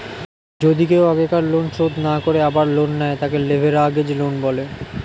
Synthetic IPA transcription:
d͡ʑod̪ikewaɡekaɾlonʃod̪ʱnakoɾeabaɾlonːɛet̪akelebʱeɾaɡed͡ʑlonbɔle

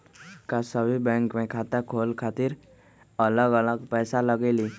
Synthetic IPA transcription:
kasəbʱibɛ̃ːŋkmẽkʰaːt̪əkʰoːlkʰaːt̪ɪɾ | ələɡələɡpɛːsaləɡeliː

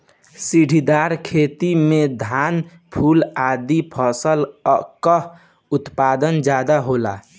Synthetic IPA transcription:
siɖʱid̪aɾkʰet̪imed̪ʱan | pʰulad̪ipʰɔsəlkə | ut̪pad̪ənd͡ʒad̪aɦola̰

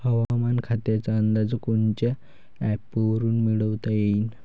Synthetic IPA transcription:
həʋamankʰat̪jat͡saənd̪ad͡zəkoɳt͡ɕe | ɛpəʋəɾuːnmiɽəʋt̪ajein

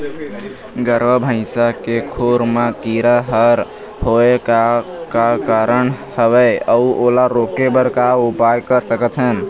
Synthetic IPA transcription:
ɡəɾʋəbʱə̃ɪ̃sakekʰoɾmakiɾaɦəɾ | hoekakakaɾən | həbɛəuʔolaɾokebəɾkaupajkəɾsəkət̪ʰɦən

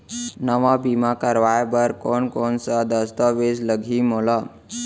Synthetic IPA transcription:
nəʋabʱimakəɾʋajbəɾkoɳkoɳsad̪əst̪əʋesləɡʱiːmola

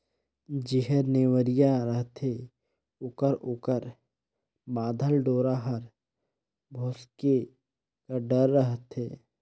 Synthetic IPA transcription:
d͡ʒɪɦəɾneːwəɾijaɾəɦt̪ʰe | ʊkəɾʊkəɾ | mãːd̪ʱəlɖoːɾaɦəɾ | bʱoːske | kaɖəɾːəɦt̪ʰeː

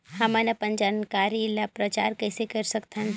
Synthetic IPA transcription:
hɐmanɐpənd͡ʒaːnkaːɾilapɾɐt͡ʃa̰ːɾkɛɪsekɐɾsɐkt̪ɦn

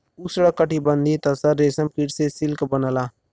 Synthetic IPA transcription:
usəɽəkːəʈibənd̪ʱit̪ɐsəɾːeːsəmkiʈsesɪlkbənəlaː

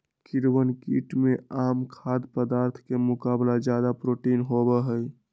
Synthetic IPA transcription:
kiɾwənkḭʈmeaːmkʰad̪pəd̪aːɾt̪ʰkemʊkaːblad͡ʒjad̪apɾoʈinɦobɛɦəj

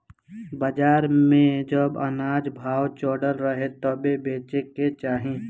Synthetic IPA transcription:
bəd͡ʒaːɾmẽd͡ʒəbənaːd͡ʒbʱaːwt͡ʃoːɖəlɾəɦet̪ɔbebeːt͡ʃeket͡ʃaːɦẽ

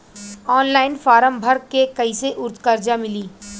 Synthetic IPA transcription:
ɔːnlaːɪnfaːɾə̃mbʱəɾkekɐiseʔʊɾt̪kɐɾd͡ʒamɪliː

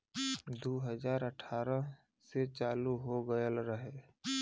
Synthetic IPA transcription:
d̪uːɦəd͡ʒaːɾəʈʰaːɾə | set͡ʃaːluɦoɡəjəlɾəɦe

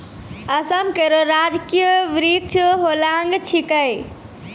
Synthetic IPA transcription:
əsəmkeɾoɾad͡ʒkijəʋɾik̚t͡ʃʰɦolaŋɡt͡ʃʰikəj

